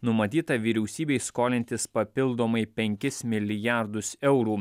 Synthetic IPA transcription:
nʊmɐt̪ʲiːt̪ɐʋʲiːɾʲɛʊsʲiːbʲɛɪskoːlʲɪnʲt̪ʲɪspɐpʲɪlˠd̪oːmɐɪpʲɛŋʲkʲɪsmʲɪlʲɪjæɾd̪ʊsɛʊɾuː

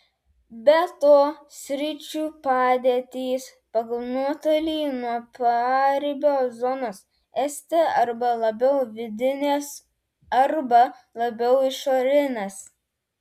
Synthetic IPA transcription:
bʲɛt̪oːsʲɾʲɪt͡ʃʲuːpɑːd̪ʲeːt̪ʲiːs | pɐɡɐlˠnuɔt̪olʲiːnuɔpɑɾʲbʲoːzɔnoːs | ɛsʲt̪ʲɛɐɾbɐlˠɐbʲɛʊʋʲɪd̪ʲɪnʲeːs | ɐɾbɐ | lˠɐbʲɛʊɪʃoːɾʲɪnʲɐs

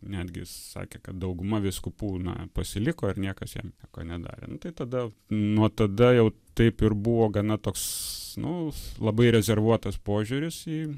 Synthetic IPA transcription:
nʲæd̪ʲɡʲɪ̰sɑ̰ːkʲekɐt̪̚d̪ɐʊɡʊmɐʋʲɪskʊpuːnɐ̰pɐsʲɪlʲɪkoːɪrnʲiɛkɐsjɛ̰mːko̰ːnʲɛd̪ɑ̰ːɾʲḛnʊt̪ɐɪt̪ɐd̪ɐnuɔt̪ɐd̪ɐjɛʊt̪ɐɪpɪrbuʋoːɡɐnɐt̪oːksnʊlˠɐbɐɪɾʲɛzʲɛrʋuɔt̪ɐspoːʒʲuɾʲɪsiː

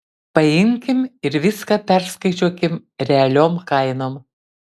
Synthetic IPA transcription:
pɐjɪŋʲkʲɪmɪɾʋʲɪskɐpʲæɾskɐɪt͡ʃʲuɔkʲɪmɾʲɛɐlʲoːmkɐɪnoːm

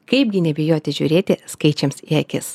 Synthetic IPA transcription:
kɐɪp̚ɡʲɪnʲɛbʲɪjoːt̪ʲɪʒʲṵːɾʲeːt̪ʲɪskɐɪt͡ʃʲɛmsiɐkʲɪs

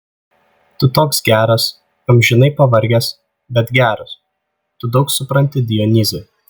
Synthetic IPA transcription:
t̪ʊt̪oːksɡʲæːɾɐs | kɐmʲʒʲɪnɐɪpɐʋɐɾʲɡʲɛs | bʲɛt̪ɡʲæːɾʊs | t̪ʊd̪ɒʊksʊpɾɐnʲt̪ʲɪd̪ʲɪjɔnʲɪzʲɛ

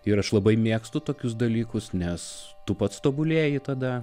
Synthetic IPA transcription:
ɪɾɐʃlˠɐbɐɪmʲeːkst̪ʊt̪oːkʲʊsd̪ɐlʲiːkʊsnʲɛs | t̪ʊpɐt̪st̪oːbʊlʲeːjɪt̪ɐd̪ɐ

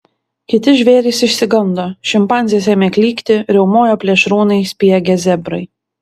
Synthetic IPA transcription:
kʲɪt̪ʲɪʒʲʋʲeːɾʲɪsɪʃʲsʲɪɡɐnd̪oːʃʲɪmpɑˑnʲzʲijɛsʲeːmʲeːkʲlʲiːkt̪ʲɪɾʲɛʊmoːjoːpʲlʲɛʃɾuːnɐɪsʲpʲijɛɡʲɛzʲɛbɾɐɪ

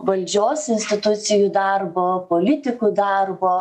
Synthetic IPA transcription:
ʋɐlʲd͡ʒʲoːsɪnsʲt̪ʲɪt̪ʊt̪sʲɪjuːd̪ɑɾboːpolʲɪt̪ʲɪkuːd̪ɑɾboː

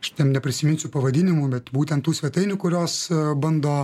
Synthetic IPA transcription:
ɐʃtʲɛmnʲɛpʲɾʲɪsʲɪmʲɪnʲsʲʊpɐʋɐd̪ʲɪnʲɪmʊbʲɛt̪buːt̪ʲɛnt̪ːuːsʲʋʲɛt̪ɐɪnʲʊkʊɾʲoːsbɐnd̪oː

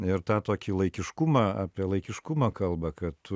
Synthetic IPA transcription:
ɪɾt̪ɑːt̪oːkʲilˠɐɪkʲɪʃkʊmɐɑːpʲiɛlˠɐɪkʲɪʃkʊmɐːkɐlˠbɐkɐtt̪ʊ

